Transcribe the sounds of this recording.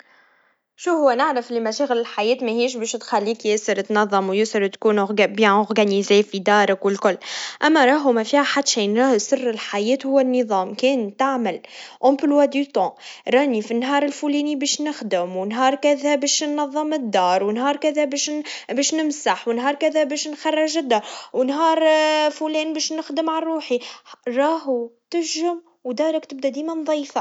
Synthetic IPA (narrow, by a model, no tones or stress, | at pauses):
ʃuhʊwːænaʕɾəflimæʃɛɣəlɪlħajɛːt̪mɛɦiːʃ̬bɛːʃt̪xælːiːkjəsəɾt̪nɑðˤːɑmwjəsəɾt̪kuːnʊbjɛ̃ʔʊʁɡænizefid̪ɑːɾˤɪkwəlkʊlːʔæmːæɾˤɑːɦʊmæfiːhaħad̪ʃinɾˤɑːhsərːəlħajɛːt̪hʊwːænːəðˤɑːmkɛːnt̪aʕməlʔɔ̃mblwæd̪yt̪ˤɑ̃ɾˤɑːnifinːɦɑːɾˤɪlfulɛːnibɛːʃnɪxd̪ɪmwɪnɦɑːɾˤkæðæbɛːʃnːɑðˤːɑmɪd̪ːɑːɾˤwɪnɦɑːɾˤkæðæbɛʃbɛːʃnɪmsaħwɪnɦɑːɾˤkæðæbɛːʃnxɑrˤːɑʒɪd̪ːɑːɾˤwɪnɦɑːɾˤfulɛːnbɛːʃnɪxd̪ɪmʕarˤːuːħiɾˤɑːɦut̪ɪʒɪm | wd̪ɑːɾˤakt̪ɪb̚d̪æd̪iːmænðˤɑjːfa